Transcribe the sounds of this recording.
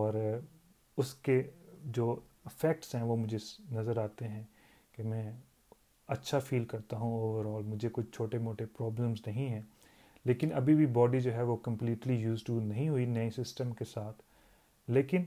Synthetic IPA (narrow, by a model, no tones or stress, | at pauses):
ɔːɾ | ʊsked͡ʒoː | ɪfɛk̚ʈsɦɛ̃ʋomʊd͡ʒʱenɐzəɾaːt̪eɦɛ̃ː | kemɛ̃ː | ɐtːʃʰafiːlkɐɾt̪aɦũoːʋəɾɔːlmʊd͡ʒʱekʊt͡ʃʰt͡ʃʰoːʈemoːʈepɾɔːbləmznɐɦĩɦɛ̃ː | leːkɪnɐ̰bʱibʱibɔːɖid͡ʒoːɦɛʋokɐ̃mpliːʈlijuːzʈunɐɦĩɦʊinɐesɪsʈəmkesaːt̪ʰ | leːkɪn